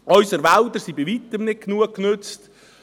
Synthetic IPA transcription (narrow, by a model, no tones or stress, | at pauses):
ɔʏsəɾʋald̪əɾsibivit̪əmnɪt̚knuəkkːnʏt͡st